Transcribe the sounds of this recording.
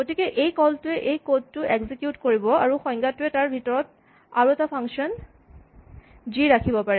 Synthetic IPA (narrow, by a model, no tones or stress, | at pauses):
ɡotikɛʔejkɔltʊɛʔejkod̚tʊʔeɡzikjutkoɹibɔaɹuxɔjŋɡatʊɛtaɹbʱitɔɹɔt̚ | aɹuɛtapʰaŋʃɔn | d͡ʒiɹakʰibɔpaɹɛ